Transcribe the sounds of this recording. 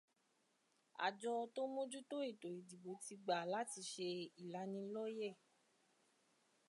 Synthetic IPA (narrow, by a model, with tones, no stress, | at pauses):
a̰˨d͡ʒɔ˧to˦mõ˦d͡ʒu˦to˦i˦˨to˨i˨di˨ɡ͡bo˨˦ti˧ɡ͡ba˨la˨˦ti˧˨ʃe˧i˨la˨˧˦nĩ˧lɔ˦je˦˨